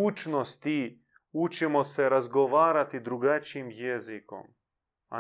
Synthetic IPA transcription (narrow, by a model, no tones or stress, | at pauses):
ut͡ʃnost̪i | ut͡ʃemo̞seɾazɡoʋaːɾat̪id̪ɾuɡat͡ʃiimjeziko̞̰m | a̰